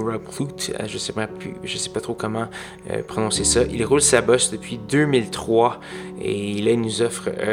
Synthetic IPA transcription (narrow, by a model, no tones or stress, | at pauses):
ɹabklut̪a̰ʒəsɛpapʰly̰ʒəsɛ̥pat̪χokɔmɑ̃ | ø̰pχɔnɔ̃sesaʔilʁulsabɔsd̪əpɥid̪ømilt̪χwa | ḛlailnuzɔfʁ